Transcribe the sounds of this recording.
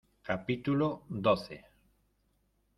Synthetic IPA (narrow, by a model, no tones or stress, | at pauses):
kapit̪ulod̪oθḛ